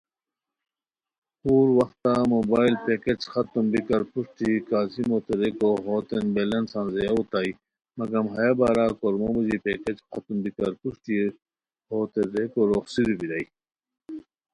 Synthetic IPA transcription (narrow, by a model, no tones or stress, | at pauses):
huːɾwɐxt̪aːmoːbaːilpeːket͡ɕxɐt̪umbikɐɾpuʂʈikaːzimoːt̪eɾekoɦoːt̪enbelɐnsãːnzejaut̪aːi | mɐɡɐmɦɐjabaːɾaːkoɾmobɐd͡ʑipeːket͡ɕxɐt̪umbikɐɾpuʂʈi | hoːt̪eɾekoɾoːxsiɾbiɾɐi